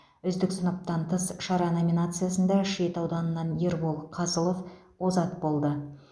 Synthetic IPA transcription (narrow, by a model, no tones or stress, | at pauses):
ʏzd̪ɪksənəp̚t̪ɑnt̪ʰəsʃɑɾɑno̞mʲinat̪sɨjasənd̪ɑʃet̪ɑwd̪ɑnənːɑnjeɾbolˠqʰɑzəlˠo̞f | wo̞zɑt̪̚bo̞lˠd̪ə